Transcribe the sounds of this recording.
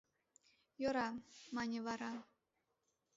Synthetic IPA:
joɾɑmɑnʲevɑɾɑ

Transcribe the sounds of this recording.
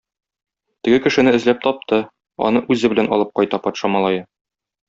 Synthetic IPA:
t̪ɘ̆ɡɘkɘ̆ʃɘ̆nɘɘ̆zlæp̚t̪ɒp̚t̪ɤ | ɒ̰nɤʔʉzɘbɘ̆lænɒ̰lˠɤp̚qɒjt̪ɑpɒt̪ʃɑmɒlˠɑjɤ

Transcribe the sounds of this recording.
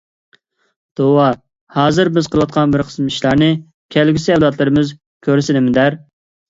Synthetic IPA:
d̪̥owɑ | hɑːzɨɾbɪzqʰəlˠwɑt̪̚qʰɑnbɪɾqʰə̥smɪʃlˠɑɾnɨ | kʲʰælɡʲisɪɛlˠɑt̪ʰlˠɨɾɨmɨz | kʲʰøɾsɪnɪmɪd̪æɾ

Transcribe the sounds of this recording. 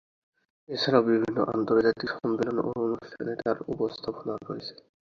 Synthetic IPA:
et͡ɕʰaɾaʊbibʱinːo̰ʔa̰nt̪oɾd͡ʑat̪iʃɔmbelono̰onuʃʈʰa̰neʈ̪aɾupost̪ʰaponaɾoet͡ɕʰe̥

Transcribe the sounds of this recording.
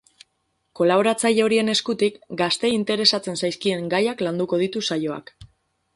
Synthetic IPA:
ko̞laβo̞ɾat͡saʎeo̞ɾie̞ne̞skut̪ikɡast̪e̞int̪e̞ɾe̞sat͡se̞nsajskie̞ŋɡajakland̪uko̞ð̞it̪usajo̞a̰k

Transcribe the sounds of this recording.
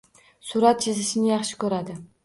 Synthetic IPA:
sʊɾat̪t͡ʃʰezɪʃɪnɪjɑχʃɪ̥kʰɵɾad̪ɪ

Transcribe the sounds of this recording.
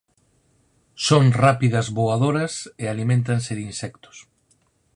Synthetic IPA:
soŋrapiðɐzβoaðoɾɐsealimẽnt̪anseðinsɛkt̪o̥s

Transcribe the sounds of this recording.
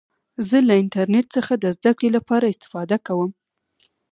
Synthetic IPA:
zəlaɪnʈaɾneʈ̚səxad̪əzd̪akɽelapɑɾaɪst̪ɪ̥fɑd̪akawəm

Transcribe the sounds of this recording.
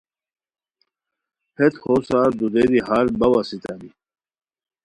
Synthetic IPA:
hʰet̪hosaːɾd̪ud̪ed̪iɦaːɾbɐwasit̪ʰani

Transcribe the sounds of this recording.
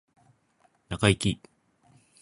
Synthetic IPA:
nakaikʲi

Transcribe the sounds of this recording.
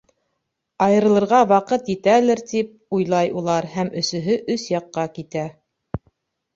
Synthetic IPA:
ɑjɤ̆ɾɤ̆lˠɤ̆ɾʁɑwɑqɤt̪jit̪ælɘɾt̪ip̚ujlˠɑjulˠɑɾhæmɵ̆sɵ̆ɦɵʔɵsjɑqːɑkit̪æ

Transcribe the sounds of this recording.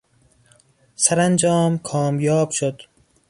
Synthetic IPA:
saɾand͡ʒɒːmkʰɒːmjɒːbʃod̪

